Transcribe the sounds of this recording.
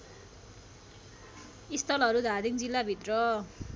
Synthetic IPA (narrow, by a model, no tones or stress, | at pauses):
ist̪ʌlʌɾud̪ʱad̪ʱind͡zilːabʱit̪rʌ